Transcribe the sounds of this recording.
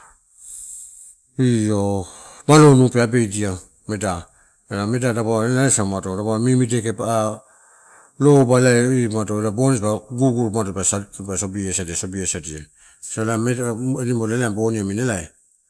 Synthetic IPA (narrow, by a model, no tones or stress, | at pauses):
iomalonupeabejdia | meda | elamedadabaelaesamatoɾabamimidekepa | lobalajimatoelabonisbaɡuɡuɾmatobasabasobiesadiasobiesadia | salameenimolelamboniaminelaj